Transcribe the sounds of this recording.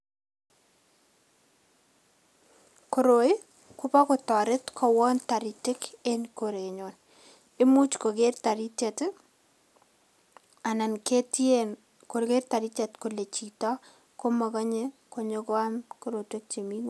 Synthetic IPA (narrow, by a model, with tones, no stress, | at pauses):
ko˨ɾo˨j | kʊ˦pa˦kʊ˨tɔ˨ɾɪ˦tkʰɔ˨wɔ˦nta˨ɾi˨tɪ˦ke˦nkoɾe˨ɲo˨n | e˦mu˦t͡ʃko˨ɡe˦rta˨ɾi˦te˨t | a˨na˨nke˦tien | ko˨ɾke˦rta˨ɾi˦t͡ʃɛtko˨le˨t͡ʃi˨tɔ˦ | ko˦ma˨ka˦ɲe˦ko˨ɲo˦ka˦nkoɾo˨twe˦k̚t͡ʃe˨mi˦ŋ˨